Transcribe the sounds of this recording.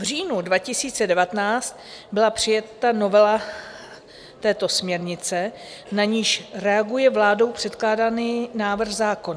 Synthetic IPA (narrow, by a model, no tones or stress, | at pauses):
vr̝iːnudvacɪsiːt͡sɛdɛvat̪ɛnaːt͡st̪bɪlapr̝̥ɪjat̪ano̞vɛla | t̪ɛːt̪o̞smɲɛɾɲɪt͡sɛ | naɲiːʃɾɛaɡujɛvlaːdo̞wpr̝̥ɛt̪klaːdaniːnaːvr̩xzaːkona